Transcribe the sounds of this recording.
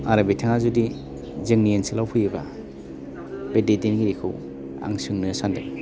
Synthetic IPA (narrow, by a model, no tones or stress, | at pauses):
aɾabitʰaŋazudi | zɯŋniensilawpʰɯjɯba̰ | bededinɡiɾikʰɯw | a̰ŋsɯŋnɯsandaj